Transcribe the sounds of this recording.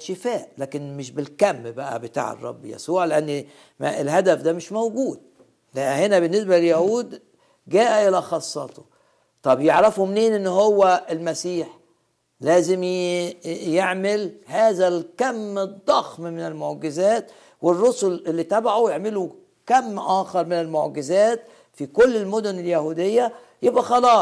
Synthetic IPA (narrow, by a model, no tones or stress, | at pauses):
ʃɪfæːʔlæːkenmɪʃbɪlkæmːbæʔæ̰bet̪a̰ːʕɑ̰rˤːɑ̰bːjæ̰suːʕleʔænː | melɦæd̪æfd̪æmeʃmowɡuːd̪̚ | læʔhenæbɪnːesbælejæhuːd̪ | ɡæːʔæʔelæxɑsˤːɑ̰ːt̪o | t̪ˤɑbjeʕɾɑfomneːnʔenːhowːæelmæsiːħ | læːzem | jeʕmelhæːzælkæmːd̪ˤːɑxmmɪnɪlmoʕɡɪzæːt̪ | werːosolʔelːit̪æbaʕujeʕmɪlu | kæmːʔæːxɑɾˤmɪnɪlmoʕɡɪzæːt̪ | fikolːelmod̪ʊneljæhuːd̪ejːæ | jebʔæxɑlɑːsˤ